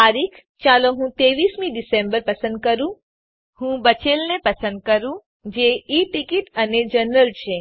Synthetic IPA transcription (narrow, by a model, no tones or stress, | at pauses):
aɾikʰ | t͡ʃalõɦũt̪eːʋismĩɖisẽmbəɾpəsə̃nd̪̚kəɾũ | hũbət͡ʃelnepəsə̃nd̪̚kəɾũ | d͡ʒeiʈikiʈəned͡ʒənɾəlt͡ʃʰe